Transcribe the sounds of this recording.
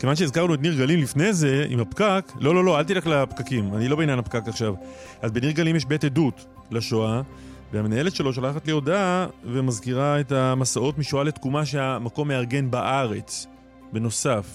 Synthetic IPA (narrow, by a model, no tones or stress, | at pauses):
kevanʃ̬eezkaʁnuet̬niʁɡalimlifne̞ze̞ḭmapkaklo̞lo̞lo̞alt̬iʁaklapkakimanilo̞benjanapkakaχʃav | ʔazbe̞niʁɡalimjeʃbetedut | laʃoa | veamenae̞letʃe̞lo̞ʃalaχatlio̞davemazkiʁaetamasao̞tmiʃoale̞tkumaʃ̬e̞amako̞mːe̞aʁɡe̞nbaʔaʁe̞t͡s | be̞no̞saf